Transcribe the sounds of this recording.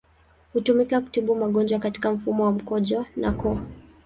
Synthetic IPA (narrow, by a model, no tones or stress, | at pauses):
hutumikaku̥tiɓumaɠɔnd͡ʒwakati̥kam̩fumɔwam̩kɔʄɔnakɔa